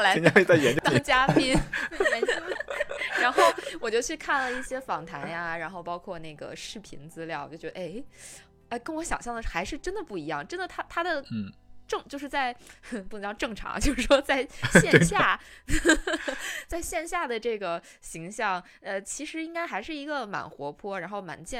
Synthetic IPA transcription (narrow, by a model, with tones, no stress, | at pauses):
la˧˥ɛ˧˥a˥˧t͡sa˥˩ɪjɛ˧˥nt͡ɕt̪ɑ˥˧ŋt͡ɕja˥pʰi˥n˥˧˥ | ɻa˧˥nxo˥˩ʊwɔ˨˩t͡ɕjo˥˧ʊt͡ɕʰy˥˧kʰa˥˩nlə˩i˥˩ɕjɛ˥fɑ˨˩ŋt̪ʰa˧˥nja˧ɻa˧˥nxo˥˩ʊpɑ˥ʊkʰwɔ˥˧ne˥˩ɪɡə̰˩ʂɻ̩˥˩pʰḭ˧˥nt͡sɹ̩˥ljɑ˥˩ʊt͡ɕjo˥˩ʊt͡ɕɥɛ˧˥də˧e˥˩ɪ | e˥˩ɪkə˥nwɔ˧˥ɕjɑ˨˩ŋɕjɑ˥˩ŋd̪ə˩ʂxa˧˥ɪʂɻ̩˥˩ʈ͡ʂə˥nd̪ə˨pu˥˩i˧˥jɑ˥˩ŋʈ͡ʂə˥nd̪ə˨t̪ʰa˥t̪ʰa˥d̪ə˨ʈ͡ʂɤ˥˧ŋt͡ɕjo˥˧ʊʂɻ̩˥˧t͡sa˥˧ɪpu˥˩˧ɑ˥˧ʈ͡ʂɤ˥˩ŋʈ͡ʂʰɑ̰˧˥ŋt͡ɕjo˥˧ʊʂɻ̩˥˩ʂwɔ˥t͡sa˥˧ɪɕjɛ˥˧nɕja˥˩ | t͡sa˥˧ɪɕjɛ˥˧nɕja˥˩d̪ə˩ʈ͡ʂɤ˥˩ɡə˩ | ɕi˧˥ŋɕjɑ˥˩ŋ | ə˧t͡ɕʰi˧˥ʂɻ̩˧˥i˥ŋka˥ɪxa˧˥ɪʂɻ̩˥˩i˧˥ɡə˧ma̰˨˩nxwɔ˧˥pʰwɔ˥ɻa˧˥nxo˥˩ʊma̰˧˩nt͡ɕjɛ˥˩